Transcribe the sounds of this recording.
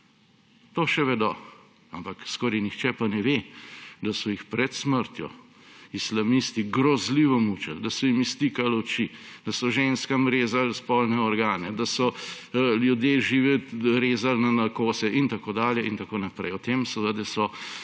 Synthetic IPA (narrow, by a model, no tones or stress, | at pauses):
t̪oʃɛʋɛd̪ɔ | ampakskɔːɾɛjnixt͡ʃɛpanɛʋed̪asɔjixpɾɛt̪sməɾt̪jɔ̰ | islamist̪iɡɾɔzliːʋɔmuːt͡ʃɛ̰ld̪ɐsɔimist̪ikalɔt͡ʃid̪ɐsɔʒenskamɾeːzalspɔlnɛɔɾɡaːnɛd̪asɔ | ljud̪jeʒiːʋɛɾeːzalnanakoːsɛʔint̪akoːd̪aːljɛʔint̪akoːnapɾɛ̰jɔt̪eːmsɔzad̪ɛsɔ